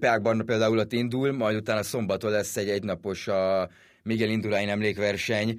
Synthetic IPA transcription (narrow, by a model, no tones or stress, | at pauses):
paːɡ̚bɒrnɔpeːld̪aːulot̪ːind̪ulmɒjd̪ut̪aːnɒso̞mbɒt̪olɛsːɛɟɛɟnɒpo̞ʃɒ | miɡɛlind̪ulaːjinɛmleːkʋɛrʃɛɲ